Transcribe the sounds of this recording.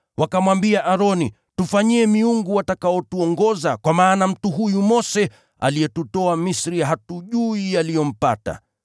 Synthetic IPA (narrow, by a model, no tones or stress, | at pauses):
wakamwambiaʔaɾɔni | tufaɲiɛmiuŋɡuwatakaɔtuɔŋɡɔzakwamaːnam̩tuɦujumɔsɛ | a̰lijɛtutɔamisɾijaɦatuʄuijalijɔm̩pa̰ta̰